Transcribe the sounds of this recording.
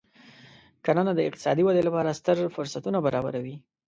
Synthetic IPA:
kananad̪əɪqt̪ɪ̥sɑd̪iwad̪elapɑɾast̪əɾfʊɾsat̪unabaɾɑba̰ɾawi

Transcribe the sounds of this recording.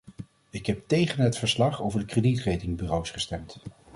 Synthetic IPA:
ɪkɦɛp̚tejχənɦətfəɹslɑχowvəɹdəkreditrejtɪŋbyrowsχəstɛmt

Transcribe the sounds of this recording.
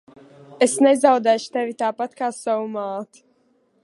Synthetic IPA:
esnɛzawd̪ɛːʃu̥t̪evit̪aːpat̪kaːsawumaːt̪u̥

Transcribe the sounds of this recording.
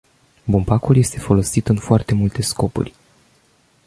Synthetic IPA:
bumpakulje̞st̪e̞fo̞lo̞sit̪ɨnfoart̪e̞mult̪e̞sko̞pṵrʲ

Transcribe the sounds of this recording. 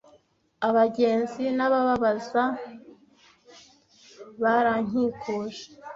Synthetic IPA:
aβaɟe̞ːnzinaβaβaβaza | βaɾaɲ̥iːkʰoːʒe̥

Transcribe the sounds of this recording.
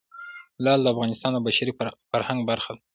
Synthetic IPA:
lɑld̪əafɣɑnɪst̪ɑnəbaʃaɾifaɾhaŋɡbaɾxad̪

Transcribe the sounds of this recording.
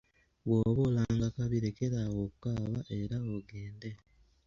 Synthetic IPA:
βwoβolaŋɡakaβiɾekeɾaɣokukaːβaʔe̞ɾaoɡe̞ːnde

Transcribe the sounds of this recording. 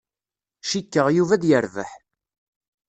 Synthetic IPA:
ʃikːəʁjuvæðjəɾvə̰ħ

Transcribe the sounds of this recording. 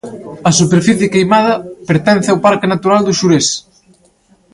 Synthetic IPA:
ɐsupeɾfiθjekejmaðɐpeɾt̪ɛn̟θɪawpaɾkɪnat̪uɾald̪uʃuɾes

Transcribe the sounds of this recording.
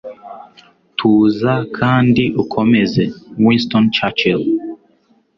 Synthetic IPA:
tʰuːzakʰaːndiʔukʰomɛzɛwĩnstɔnt͡ʃat͡ʃil

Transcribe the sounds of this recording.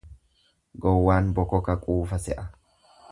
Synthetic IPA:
ɡɔwːaːnbɔkɔkɐkʼuːfɐsɛʔɐ

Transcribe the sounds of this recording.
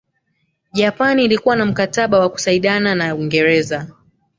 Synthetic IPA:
ʄapaniːlikuwanam̩kataɓawaku̥saiɗananawiŋɡɛɾɛza

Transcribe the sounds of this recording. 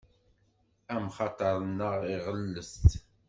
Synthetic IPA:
æmχɑt̪ˤəɾˤənːəʁiʁəlːəst̪

